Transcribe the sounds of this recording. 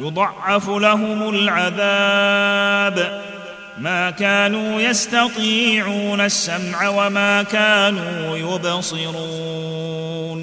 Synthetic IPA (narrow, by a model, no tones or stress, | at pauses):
jʊd̪ˤɑʕːɑflaɦʊmʊlʕaðaː | b | maːkaːnuːjast̪ɑt̪ˤiːʕuːnasːamʕawamaːkaːnuːjʊbsˤɨɾuː | n